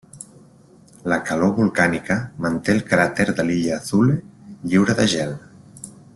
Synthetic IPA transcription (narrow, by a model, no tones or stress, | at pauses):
ləkaloβulˠkanikəmənt̪eːlˠkɾat̪eɾðəliʎaːθulʎiwɾəðəʒɛl